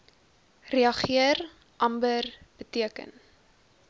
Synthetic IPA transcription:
reɐχiər | ʔɐmbərb̥ətiəkə̰n

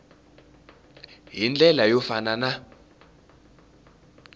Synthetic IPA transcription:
ɦind͡ɮʱɛlajɔfanana

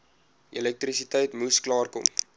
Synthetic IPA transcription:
ʔilɛk̚trisitɛjtmusklɑːrkɔ̰m

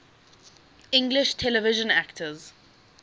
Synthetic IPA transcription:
ɪ̃ŋɡlɪʃtʰɛlɛvɪʒə̃na̰ktʰəz

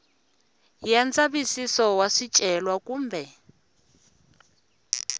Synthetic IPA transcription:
jant͡sʼaβisisɔwaʂit͡ʃʼɛlwakuːmbʱɛ

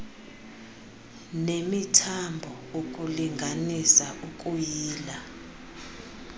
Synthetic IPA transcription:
nemitʰambʱɔ | okʼuliŋɡʱanisaʔukʼujiːla

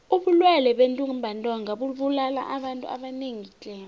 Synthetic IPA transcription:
uɓulwɛlɛɓentʼuŋmbʱantʼɔŋʱaɓuɓulala̰ʔaɓantʼṵa̰ɓaneŋit͡ɬʼɛ

